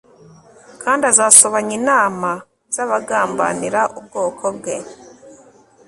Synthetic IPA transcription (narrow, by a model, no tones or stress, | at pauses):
kʰaːndazaːsoβaɲinaːma | z̥aβaɡaːmba̰niɾaʔubɡoːkʰobɡe